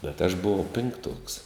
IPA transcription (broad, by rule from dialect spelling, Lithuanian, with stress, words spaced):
bʲɛt ɐʃ bʊˈʋɐʊ pʲɪŋkˈtuɔks